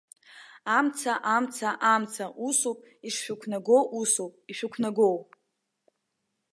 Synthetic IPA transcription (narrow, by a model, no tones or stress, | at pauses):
amt͡sʰaʔamt͡sʰaʔamt͡sʰaʔusopʼ | iʂʃᶣʊkʷʰnaɡowʔusopʼiʃʷᶣʊkʷʰnaɡowpʼ